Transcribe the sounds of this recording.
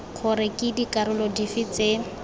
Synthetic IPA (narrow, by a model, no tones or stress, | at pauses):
q͡χʰʊɾɪkʼɪdikaɾʊlɔdifɪt͡se